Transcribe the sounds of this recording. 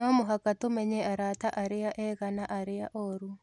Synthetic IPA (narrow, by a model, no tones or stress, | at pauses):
omoɦakatomɛɲeaɾataʔaɾɪaʔɛɣanaʔaɾɪaʔoɾu